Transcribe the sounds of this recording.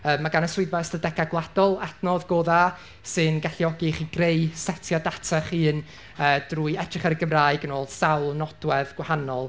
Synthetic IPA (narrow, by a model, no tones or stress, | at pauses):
əːmːaɡanəswʊɨdbastədɛɡaɡlˠad̥ɔlˠɛdnɔðɡoːða | sɨnɡaɬjɔɡiχiɡrejsɛtʰjadatʰaχɨːn | əːd̥ruːjɛdrɪχaɾəɡəmraːɨɡənoːlˠsawlˠnɔd̥wɛðɡ̥wahanɔlˠ